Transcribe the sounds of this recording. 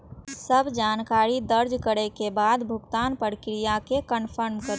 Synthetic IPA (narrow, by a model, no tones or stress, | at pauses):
səbʱd͡ʒankaɾid̪əɾd͡ʒkəɾekebad̪bʱʊɡt̪anpəɾkɾijakekənpʰəɾmkəɾ